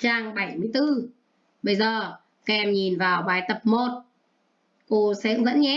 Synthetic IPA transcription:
t͡ɕaː˧ŋɓə˧˩jmɨ˧əjt̪ɨ˧ | ɓə˧jzəː˨˩ | ka˧ʔɛ˧mɲi˨˩nvaː˨˩wɓaː˨˦jt̪ə˨˩p̚mo˨˩t̚ | ko˧sɛ̰˧˥ŋvə̰˧˥nɲɛ˧˦˥

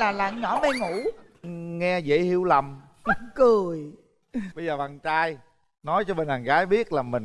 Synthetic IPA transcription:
laː˨˩laː˨˩ɲɔ˧˦mɛ˧ŋṵ˧˩˦ | ŋɛ˧zḛ˧˥hi˨˧˨əwla˨˩m | kɨ˨˩əj | ɓə˧jzəː˨˩va˨˩nt͡ɕaː˧j | nɔ˨˦jt͡ɕɔ˧ɓe˧nhaː˨˩nɣaː˨˦jɓi˦˥ət̚laː˨˩mï˨˩ŋ

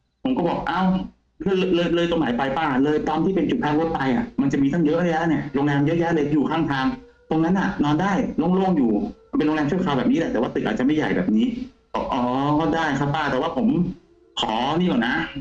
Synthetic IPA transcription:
pʰo˨˩˦mkɔː˥˩bɔː˨˩k̚ʔaː˧˩w | kʰɯ˧˩˨llɤː˧jlɤː˧jt̪o˧ŋmaː˩˦jpa˧jpaː˥˩lɤː˧jt̪aː˧mt̪ʰiː˥˩pe˧nt͡ɕu˨˩t̪̚ʰaː˧˥ŋlo˦˥t̪̚pa˧jʔa˨˩ma˧nt͡ɕa˨˩miː˧t̪ʰa˥˩jɤ˦˥ʔlaː˧lɛ˦˥˩ni˦˥˩ɐɾo˧ŋlɛː˧mjɤ˦˥ʔjɛ˦˥lɤː˧jjuː˨˩kʰaː˥˩ŋt̪ʰaː˧ŋ | t̪o˧ŋna˦˥nʔa˨˩nɔː˧ndaː˥˩jloː˧˥˩ŋloː˥˩ŋjuː˨˩pe˧nloː˧ŋlɛː˧mt͡ɕʰu˥˩kʰa˧wbɛː˨˩p̚niː˦˥lɛ˧˩t̪ɛː˨˩waː˥˩t̪ɯ˨˩ʔaː˨˩t͡ɕa˨˩ma˥˩jːa̰˨˩jbɛ̰ː˨˩p̚niː˦˥ | ɔ˧˩ʔɔː˩˦˩daː˥˩jkʰa˦˥˩pːaː˥˩t̪ɛː˨˩waː˥˩pʰo˩˦m | kʰɔː˨˩˦niː˥˩ʔɔː˨˩na˦˥

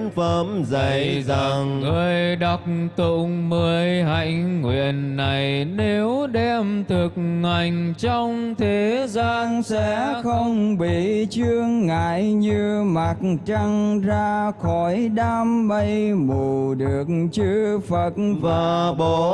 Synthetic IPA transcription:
nfə˨˧˦mzə˨˩jjza˨˩ŋŋəː˨˩əjɗa˨˩wk͡p̚t̪ṵ˧˨mə˧˩əjha̰˧˨jŋ̟ŋwḭ˧˨ənːa˨˩jne˨˦wɗɛ˧mt̪ʰɨ˨˩k̚ːa˨˩jŋ̟t͡ɕɔ˧wŋ͡mt̪ʰe˨˦zaː˧nsɛ̰˧xə˧wŋ͡mɓi˧˨˩t͡ɕɨ˧əŋːaː˧˨jɲɨ˧ma˨˩t̚t͡ɕa˧ŋzaː˧xɔ˨˦jɗaː˧mɓə˧jmo˨˩ɗɨ˨˩ək̚t͡ɕɨ˧fə˨˩t̚vaː˨˩ɓɔ˨˩

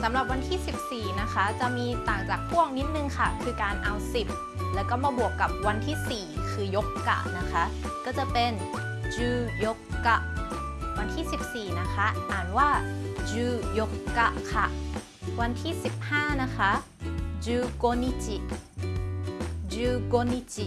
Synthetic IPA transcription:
sa˩˦mɾa˨˩p̚wa˧nt̪ʰiː˥˩si˨˩p̚siː˨˩na˦˥kʰa˦˥t͡ɕa˨˩ʔmiː˧t̪aː˨˩ŋt͡ɕaː˨˩k̚hu˥˩əŋ̚ni˦˥t̪̚nɯ˧ŋkʰa˥˩kʰɯː˧kaː˨˧nʔa˧wsi˨˩p̚ | lɛː˦˥wkɔː˥˩maː˧bu˨˩əkːa˨˩p̚wa˧nt̪ʰiː˥˩siː˨˩kʰɯː˧jo˦˥kːa̰˧˩ʔna˦˥kʰa˦˥ʔ | kɔː˥˩t͡ɕa˨˩pe˧n | d͡ʑɯː˧jo˦˥kːa˧˩ʔ | wa˧nt̪ʰiː˥˩si˨˩p̚siː˨˩na˦˥kʰa˦˥ʔʔaː˨˩nwaː˥˩d͡ʑɯː˧jo˦˥kːa˧˩ʔkʰa˥˩ | wa˧nt̪ʰiː˥˩si˨˩p̚haː˥˩na˦˥kʰa˦˥ʔ | d͡ʑuː˧koː˧ni˧˥t͡ɕi˧˩ʔ | d͡ʑɯː˧koː˧ni˧t͡ɕi˧

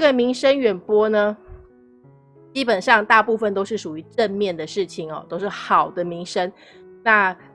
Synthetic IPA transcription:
ə˥˩ɡə˨mi˧˥ŋʂə˥nɥɛ˨˩npwɔ˥nə˨ | t͡ɕi˦˥pə˨˩nʂɑ˥˧ŋt̪a˥˧pu˥˧fə˨˩nt̪o˥ʊʂɻ̩˥˩ʂu˨˩y˧˥ʈ͡ʂə˥˧nmjɛ˥˩nd̪ə˩ʂɻ̩˥˩t͡ɕʰi˩ŋɔ̰˨˩t̪o˥ʊʂɻ̩˥˩xɑ˨˩ʊd̪ə˦mi˧˥ŋʂə˥n | na˥˧

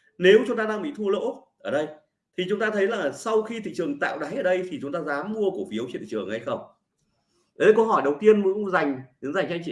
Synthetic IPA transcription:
ne˨˦wt͡ɕʊ˨˦ŋ͡mt̪aː˧ɗaː˧ŋɓḭ˧˨t̪ʰu˧ə˧lə̰˧˥ʔəː˧˩ɗə˧j | t̪ʰi˨˩t͡ɕʊ˨˦ŋ͡mt̪aː˧t̪ʰə˨˦jlaː˨˩sa˧wxi˧t̪ʰḭ˧˨t͡ɕɨ˨˩əŋt̪a̰ː˧˨wɗaː˨˦jʔəː˨˩ɗə˧jt̪ʰi˨˩t͡ɕʊ˨˦ŋ͡mt̪aː˧zaː˨˦mːu˧əkəfi˨˦əwt͡ɕḭ˧˨t̪ḭ˨ɨ˨˩əŋha˧jxə˧wŋ͡m | ə˨˦˨kə˧wɦɔ˧˩jɗə˨˩wt̪i˧ənmu˨˧˦za˨˩jŋ̟ɗɨ˨˦ŋza˨˩ŋt͡ɕa˧jŋt͡ɕḭ˧˨

